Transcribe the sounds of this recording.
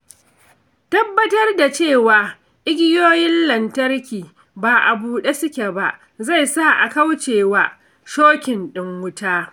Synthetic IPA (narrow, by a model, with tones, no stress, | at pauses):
tɐ˦bːɐ˦tɐ˦rda˨t͡ʃeː˦˨waː˨ | ʔɪ˦ɡʲɪ˦joː˦jɪ˦nlɐ˨ntɐ˦rkʲiː˨ | baː˨ʔa˨buː˦ɗe˦sʊ˦kʲe˨ba˨ʔ | za˦˨jsa˦˨ʔa̰˨ka˦wt͡ʃeː˨waː˦ | ʃoː˦kʲɪ˨nɗɪ˦ŋwʊ˦taː˦